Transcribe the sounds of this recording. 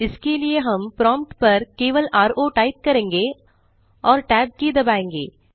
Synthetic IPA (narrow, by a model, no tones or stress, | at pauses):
ɪskelɪjeɦɐ̃mpɾɔ̃ːmpʈpɐɾkeːʋəlʔaːɾʔoːʈɐɪp̚kɐɾẽːŋɡeː | ɔːɾʈɛːb̚kid̪ɐbaːẽːŋɡḛː